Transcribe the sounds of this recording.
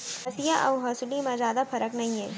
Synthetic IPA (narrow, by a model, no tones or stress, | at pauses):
ɐsijaʔɐwɦɐsulimɐd͡ʒaːd̪ɐpʰɐɾɐknɐje